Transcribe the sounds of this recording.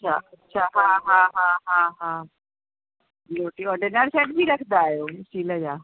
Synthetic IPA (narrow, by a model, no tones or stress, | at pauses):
tːt͡ʃʰa̰ɐtːʃʰaɦãɦãɦãːɦãːɦãː | loʈiɔɖənaɾsɛʈbʱiɾɐkʰd̪aːɦjoːsiləjaː